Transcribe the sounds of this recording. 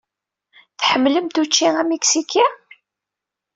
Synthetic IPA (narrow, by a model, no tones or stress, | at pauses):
θħəmːləmt̪ut͡ʃːiæmiksikːi